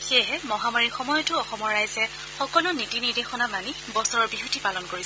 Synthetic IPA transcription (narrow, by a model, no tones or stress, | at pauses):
xejɦɛmɔɦamaɹixɔmɔjɔtʊɔxɔmɔɹːajzɛ | xɔkɔlʊnitiniɹdexɔnamani | bɔsɔɹɔɹbiɦutʰipalɔnkoɹisɛ